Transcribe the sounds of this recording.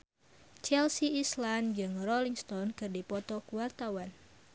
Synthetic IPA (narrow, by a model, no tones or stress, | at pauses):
t͡ʃɛlsiːsland͡ʒɨŋrɔliŋst̪ɔnkɨrdipɔt̪ɔkuwart̪awan